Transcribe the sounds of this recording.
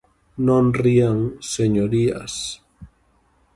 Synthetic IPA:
nõnriaŋseɲoɾia̰s

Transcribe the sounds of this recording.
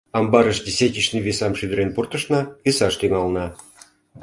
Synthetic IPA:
ɑmbɑɾə̆ʃd̪ʲesʲetʲiʃnɨvʲisɑmʃyd̪ɾʲenpurt̪ə̆ʃnɑvʲisɑʂt̪yŋɑlˠnɑ

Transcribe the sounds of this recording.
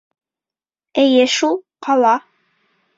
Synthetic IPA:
ɘjɘʃulˠqʰɑlˠɑ

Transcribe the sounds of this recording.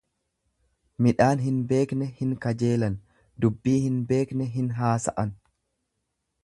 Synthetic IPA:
mɪᶑaːnɦɪnbe̞ːknɛhɪŋkɐd͡ʒe̞ːlɐn | d̪ʊbːiːhɪnbe̞ːknɛɦɪnɦaːsɐʔɐn

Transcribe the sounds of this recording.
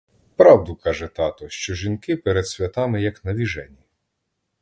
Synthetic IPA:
pɾɑwd̪ʊkɑʒɛt̪ɑt̪ɔʃt͡ʃɔʒʲinkɪpɛɾed̪̥sʲʋʲɐt̪ɑmɪjɐknɐʋʲiʒɛnʲi

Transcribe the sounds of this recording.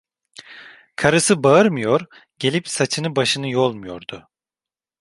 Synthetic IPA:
kʰaɾɯsɯbaɯɾmɯjo̞ɾ | ɟe̞lʲipsat͡ʃʰɯnɯbaʃɯnɯjo̞lˠmujo̞ɾd̪̥ʊ

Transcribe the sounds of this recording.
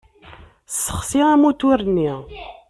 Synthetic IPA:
sːə̥χsiʁæmut̪ʊɾənːi

